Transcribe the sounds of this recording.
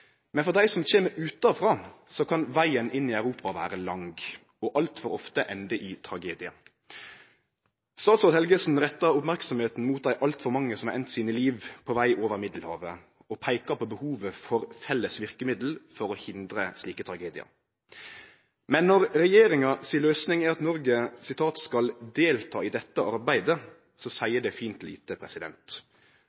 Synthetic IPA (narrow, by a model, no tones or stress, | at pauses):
mɛnfɔʁd̪æɪsɔmt͡ʃʰeːməɾʉːt̪ɑfʁɑːsɔkʰɑnʋæɪənʔɪnːiːæʉɾuːpɑʋæ̰ːɾəlɑŋɡ | ɔʔɑlt̪fɔɾɔft̪əʔɛnd̪əʔit̪ʰɾɑɡeːd̪ɪɑ̰ | st̪ɑːt̪sɔʁt̪hɛlɡəsn̩ʁɛt̪ːɑɾʊpmæɾksɔmheːt̪n̩muːt̪̚d̪æɪʔɑlt̪fɔɾmɑŋːəsɔmɑːʔɛnt̪siːnəliːʋpʰɔʋæɪʔoːʋəʁmɪd̪l̩hɑ̰ːʋə | ɔpʰæɪkɑpʰɔbəhuːʋəfɔɾfɛlːəsʋɪʁkəmɪd̪l̩fɔɾɔhɪnd̪ɾəsliːkət̪ʰɾɑɡeːd̪ɪɑ̰ | mɛnːɔʁɾɛjeːɾɪŋɑsiːløːsnɪŋæːɑt̪nɔɾɡəsɪt̪ʰɑːt̪skɑld̪eːlt̪ʰɑːid̪ɛt̪ːəʔɑɾbæɪd̪ə | sɔsæɪəɖ̪ɛfiːnt̪lḭːt̪əpʰɾɛsɪd̪ɛ̰nt̪